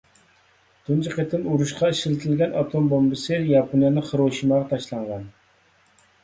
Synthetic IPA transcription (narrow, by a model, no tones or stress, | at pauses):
t̪ʰunt͡ʃʰiqet̪ʰɪnuɾuʃqʰɑiʃɪlt̪ʰɪlɡʲɛnɑt̪ʰombombɨsɨjɑpʰonjɑnɨχʰəɾoʃimɑʁɑt̪ʰɑʃlˠɑɴʁɑn